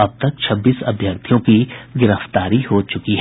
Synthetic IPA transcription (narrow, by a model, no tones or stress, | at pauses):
ɐb̚t̪ɐk̚t͡ʃʰɐbːiːsɐ̰bʱjəɾt̪ʰijõkiɡɪɾəft̪aːɾihot͡ʃʊkiɦɛ